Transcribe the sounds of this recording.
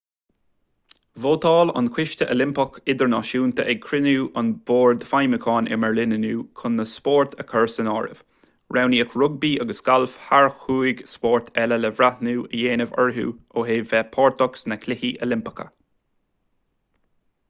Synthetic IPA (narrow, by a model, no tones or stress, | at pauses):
voːt̪ʰɑːlɑ̰nkʰwɪʃtəʔəlɪmpɔkɪd̪əɹnɑʃuːnt̪ʰəʔɛɡ̚kʰɾɪnuːʔɑnboːɹd̪fajməkʰɑːnʔɛ̰məɹlɪnənuːkʰʊnːəspɔːɹt̪ʰəkʰəɹsənɑːɹɪ̰v̥ | ɹawniəkʰɹʊɡ̚biːʔaɡəsɡ̥alfhaɹxuːɪɡspɔɹt̪ʰɛləlɛvɹat̪nuːəjeːnəvɔ̰ɹɦṵː | oːɦeːvɛpʰɔːɹt̪ɔksnəkʰlɪhiʔəlɪmpɪ̥kʰə̰